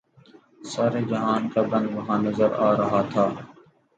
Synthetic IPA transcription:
saːɾeːd͡ʒəɦãːnkaːbə̃nd̪ʋəɦãːnəzəɾaːɾəɦaːt̪ʰaː

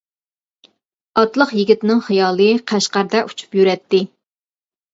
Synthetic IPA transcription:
ɑt̪lˠəqjiɡʲit̪ɪnɪŋχijɑːlˠɨqʰæʃqæɾd̪ɛʔut͡ʃʰu̥pjyɾɛt̪ːɪ

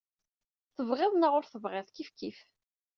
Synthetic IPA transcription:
θəvʁɪðˤnaʁʊɾθəvʁɪðˤkifkif

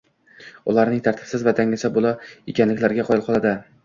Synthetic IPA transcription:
ʊlaɾnɪŋt̪ʰaɾt̪ʰɪ̥b̥sɪzvat̪ʰaŋɪsabolˠaekʲanlɪkʲlaɾɡʲaqʰɒjɪlˠqʰɒlˠad̪ɪ

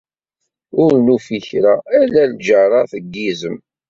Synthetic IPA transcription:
ʊɾnufiçɾaælæld͡ʒəɾˤɑθəɡːizəm

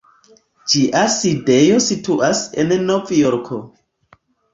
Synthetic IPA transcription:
d͡ʒiʔaside̞jo̞situʔasennovjoɾkʰo̞

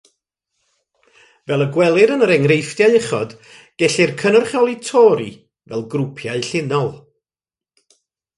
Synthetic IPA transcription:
vɛlˠəɡwɛlˠɪɾənəɾɛŋrejfd̥jaɨəχɔd̥ | ɡ̥ɛɬɪrkʰənɔrχjɔlˠitʰɔːɾḭ | vɛ̰lˠɡrʊpʰjaɨɬɪnɔlˠ

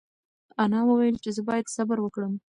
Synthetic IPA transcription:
anɑwəwajəlt͡ʃezəbɑjad̪sabaɾwəkɽəm

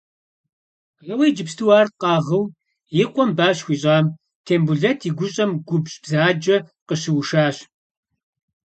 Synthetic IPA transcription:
rɐwejd͡ʒɪpstʰɨwaːrqɑːʁəw | jɪqʷʼɔmbaːɕxʷiːɕʼaːm | tʰeːmbuɮɐtʰiːɡʷʊɕʼɐmɡʷʊbɕʼb̥zaːd͡ʒɐqəɕɪwʃaːɕ

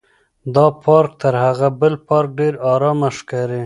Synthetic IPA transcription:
d̪ɑpʰɑɾk̚t̪əɾhaɣabəlpɑɾk̚ɖeɾɑɾɑmaʃkaɾe

